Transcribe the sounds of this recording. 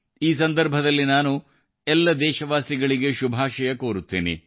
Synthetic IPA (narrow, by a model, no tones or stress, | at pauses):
iːs̬ɐnd̪ɐɾbʱɐd̪ɐlːinaːnu | ɛlːɐd̪ɛːʃɐʋaːsiɡɐɭiɡe̞ʃubʱaːʃɐjɐkoːɾut̪ːḭːnḭ